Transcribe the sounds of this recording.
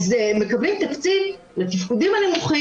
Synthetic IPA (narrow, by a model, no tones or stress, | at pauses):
zeme̞kablimt̪akt͡sit | let̪ifkud̪imanimuχa